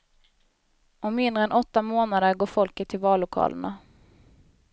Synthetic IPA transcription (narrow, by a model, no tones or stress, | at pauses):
ʔɔmmːɪnd̪ɾəɛnʔɔt̪ːamoːnad̪əɾɡoːɾfɔlkət̪ʰːɪlvɑːlːʊkʰɑ̰ːlə̰ɳa